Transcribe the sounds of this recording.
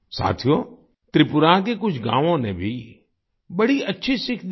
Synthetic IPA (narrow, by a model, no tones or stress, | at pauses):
sa̰ːt̪ʰijo | t̪ɾɪpʊɾak̬ekʊd͡ʒʰɡã̰ːʋõnẽbʱi | bɐɽiɐtːʃʰisɪkʰd̪